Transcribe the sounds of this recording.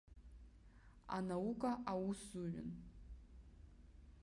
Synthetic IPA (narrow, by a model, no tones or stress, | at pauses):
a̰naukʼaʔawusuɥʊ̰n